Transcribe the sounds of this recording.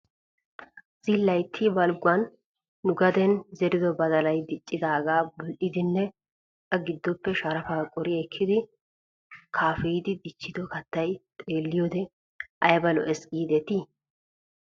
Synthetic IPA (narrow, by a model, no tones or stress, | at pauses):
z̥ɪlːɐjt̪ʰːibɐlɡʊwɐnː | ʊɡɐd̪ɛnzɛɾɪd̪ɔbɐd̪ɐlɐjd̪ɪt͡ʃʼːɪd̪aːɡaːbɔlʔɪd̪ɪnːɛ | kɐɡɪd̪ːɔpːɛʃɐɾɐfaːkʼɔɾɪɛkʰːɪd̪ɪ | kʰaːfɛjd̪ɪd̪ɪt͡ʃːɪd̪ɔkɐt̪ːɐjt̪ʼeːlːɪjoːd̪ɛ | ʔɐjbɐlɔ̰ʔɛsʼiːd̪ɛt̪i